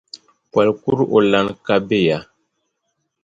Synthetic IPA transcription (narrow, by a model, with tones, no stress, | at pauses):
kwa˨lku˦ɾo̰˨la˨nka˦be˦˨ja˨